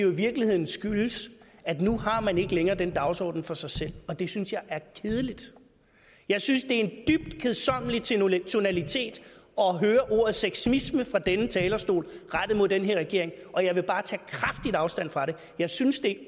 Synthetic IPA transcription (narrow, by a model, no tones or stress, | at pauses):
ejoiʋiɐɡ̥lihe̝ð̰ˠn̩sɡ̥yləsæd̥nuhɑ̈mæne̝ɡ̥əleŋɐːdenəd̥ɑ̈ʊsɒ̰ːd̥n̩fɒ̽sɑ̈ɪsel̰ɒ̽d̥e̝synsjɑ̈ɪʔæɐkʰe̝ð̞ˠlid̥ | jɑ̈ɪsynsd̥e̝ɐe̝nd̥yb̥̚d̥kʰe̝ð̩ˠsɒ̽m̰əlit͡sʰo̝nælit͡sʰe̝̰ːd̥ɒ̽ɦøːɐʔo̝ɐ̰ð̩ˠseɡ̥smisməfʁɑ̈d̥enət͡sʰɛːlɐsd̥o̝̰ːlʁaɾ̥ð̩ˠmo̝ðˠd̥enɦe̝ɐʁɛɡ̥e̝ɐ̰eŋʔɒ̽jɑ̈ɪʋe̝b̥ɑ̈ːt͡sʰɛ̰ːkʰʁafd̥id̥ɑ̈ʊsd̥æn̰fʁɑ̈ɾe̝ | jɑ̈ɪsynsd̥e̝